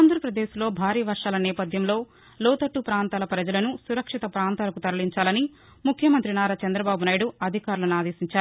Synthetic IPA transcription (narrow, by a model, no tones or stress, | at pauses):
aːnd̪ʱɐɾɐpɾɐd̪eːslo̞ːbʱaːɾiːʋɐɾʂaːlɐnɛːpɐd̪ʱjɐmlo̞ː | lɔːt̪ɐʈːupɾaːnt̪aːlɐpɾɐd͡ʒɐlɐnusuɾɐkʂit̪ɐpɾaːnt̪aːlɐkut̪ɐɾɐliɲt͡ʃaːlɐni | mukʰjɐmɐnt̪ɾinaːɾat͡ʃɐnd̪ɾɐbaːbunaːjiɽuɐd̪ʱikaːɾulɐnaːd̪e̞ːsiɲt͡ʃaːɾuu